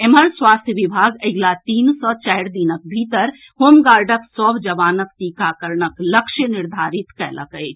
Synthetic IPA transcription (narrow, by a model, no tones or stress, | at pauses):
eməɾswaːst̪ʰjəʋibʱaːɡəɪɡlat̪iːnsɔːt͡ʃɛɦɾd̪inək̚bʱiːt̪əɾ | hoːmɡaːɾɖəksɔbd͡ʒɐʋaːnək̚t̪iːkakəɾɳəkləkʃənɪɾd̪ʱaːɾit̪kɛlʔə̰kəjt͡ʃʰ